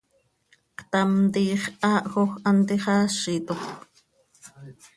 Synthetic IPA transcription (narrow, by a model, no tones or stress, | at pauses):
kt̪amt̪iːχʔɑːʔxoxʔant̪iχɑːʃit̪ox